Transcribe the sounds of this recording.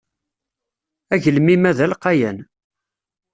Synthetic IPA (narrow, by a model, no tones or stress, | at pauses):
æʝəlmimæðælqɑjæn